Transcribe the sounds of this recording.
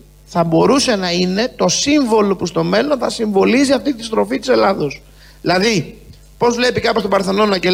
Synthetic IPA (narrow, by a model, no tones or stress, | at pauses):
θɐbo̞ɾuse̞nɐine̞t̪o̞siɱvo̞lo̞pust̪o̞me̞lo̞nθɐsiɱvo̞liziɐft̪it̪ist̪ɾo̞fit̪i̥se̞lɐðo̞s | ilɐði | po̞zvle̞pikɐpo̞st̪obɐɾθɐnonɐɟe